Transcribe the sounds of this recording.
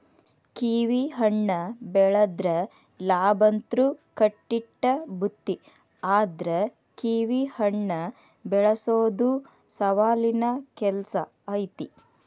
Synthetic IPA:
kiːʋiɦɐɳːɐbɛɭɐd̪ɾɐ | laːbɐnt̪ɾukɐʈːiʈːɐbʱut̪ːi | aːd̪ɾe | kiːʋihɐɳːɐ | bɛɭɐsoːd̪u | sɐʋaːlinɐkɛlsɐ̰ː | jt̪i

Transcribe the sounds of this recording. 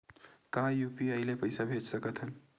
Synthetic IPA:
kajuːpiəɪlepəɪsabʱed͡ʒsəkət̪ɦən

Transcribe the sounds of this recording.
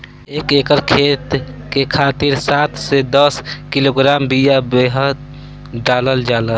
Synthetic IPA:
eːkeːkəɾkʰeːt̪ | kekʰaːt̪iɾsaːt̪ʰsed̪əskiloɡɾaːmbijabeɦəd̪̚ | ɖaːləld͡ʒaːlə

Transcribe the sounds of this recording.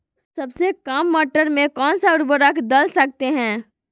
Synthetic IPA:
sɐbsekaːmːɔːʈəɾmẽkɔːnsaʊɾbəɾəkd̪ɐlsɐk̚t̪eɦɛ̃ː

